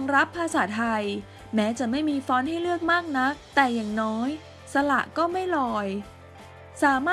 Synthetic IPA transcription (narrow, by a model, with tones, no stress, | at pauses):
ŋɾa˦˥pʰːaː˧saː˩˦t̪ʰːa˧j | mɛː˦˥t͡ɕa˨˩ma˥˩jmiː˧fɔː˦˥nha˥˩jlɯ˥˩ək̚maː˥˩k̚na˦˥t̪ɛː˨˩jaː˨˩ŋnɔː˦˥j | sa˧la̰˨˩ʔkɔː˥˩ma˥˩jlɔː˧j | saː˩˦maː˥˩